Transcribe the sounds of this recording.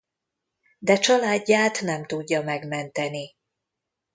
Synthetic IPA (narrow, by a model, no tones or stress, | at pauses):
d̪ɛt͡ʃɒlaːɟːaːt̪nɛmt̪uɟːɒmɛɡmɛnt̪ɛni